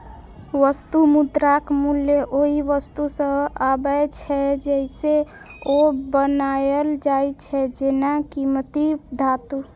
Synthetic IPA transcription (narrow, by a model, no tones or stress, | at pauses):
ʋəst̪umud̪ɾakmuljeʔoɦiʋəst̪usə̃babəjt͡ʃʰɛd͡ʒɛɪse | obənajəld͡ʒajt͡ʃʰɛd͡ʒenakimət̪id̪ʱat̪u